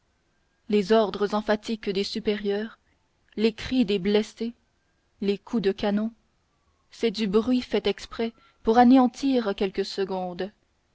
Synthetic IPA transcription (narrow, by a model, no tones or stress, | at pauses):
lezɔʁd̪ʁəzɑ̃fat̪ikd̪esypeʁjœːʁ | lekχid̪eblɛse | lekʰud̪əkanɔ̃ | sɛd̪ybʁɥifɛt̪ɛkspχɛ | puʁaneɑ̃t̪ʰiːʁkʲɛlkəsəɡɔ̃ːd̪